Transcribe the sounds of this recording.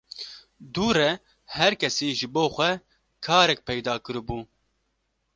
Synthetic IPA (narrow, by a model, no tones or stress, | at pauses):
d̪uːɾɛ | hɛɾkʰɛsiːʒɨboːxʷɛ | kʰaːɾɛk̚pɛjd̪ɑːkɨɾɨbuː